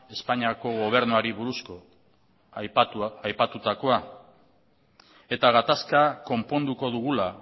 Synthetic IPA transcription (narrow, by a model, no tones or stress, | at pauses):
e̞spaɲiako̞ɣo̞β̞e̞ɾnuaɾiβuɾusko̞ | ajpat̪ut̪ako̞a | e̞t̪aɣat̪askako̞mpo̞nd̪uko̞ðuɣ̞ula